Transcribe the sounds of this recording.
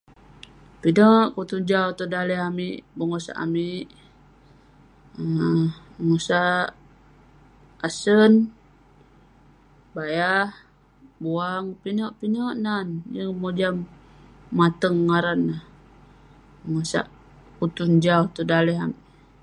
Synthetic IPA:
pinoʔkut̪und͡ʒawt̪udalɛɦamiʔbəŋosa̰ʔa̰miʔ | əŋosa | asən | bajah | buaŋpinoʔpinoʔnanjəŋmod͡ʒamː | at̪əŋːaɾanːah | bəŋosa̰ʔ | kut̪und͡ʒaut̪udalɛɦamiʔ

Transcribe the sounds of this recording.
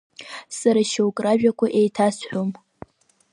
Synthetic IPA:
saɾaʃeokʼraʒᶣakʷʰaʔejtʰasħʷom

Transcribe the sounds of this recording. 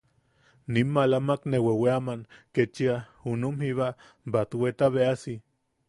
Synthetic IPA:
nimːalamakneweweamanket͡ʃia | unumhiβa | bat̪wet̪aβeasi

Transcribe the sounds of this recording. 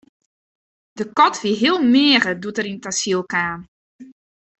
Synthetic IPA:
d̥əkɔtʋiɦiəlˠmɪːrədutəɾintasilˠkaːn

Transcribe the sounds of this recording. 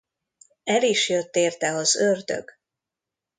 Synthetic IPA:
ɛliʃjøt̪ːeːrt̪ɛɒzørd̪ø̰ɡ̥

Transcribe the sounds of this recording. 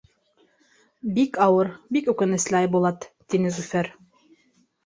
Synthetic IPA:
bikɑwɤɾbikʉkɘ̆nɘ̆slɘɑjbulˠɑt̪t̪ːinɘzʉfæɾ

